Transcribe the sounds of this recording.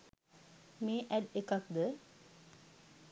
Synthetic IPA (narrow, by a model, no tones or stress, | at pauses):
meːʔæɖekak̚d̪ə